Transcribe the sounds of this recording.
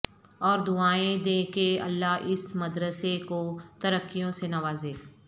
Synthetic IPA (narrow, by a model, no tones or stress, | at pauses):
ɔːɾd̪ʊaːẽd̪eːkeə̰lːaɦʔɪsməd̪ɾəsekot̪əɾəkːijõsenɐʋaːzeː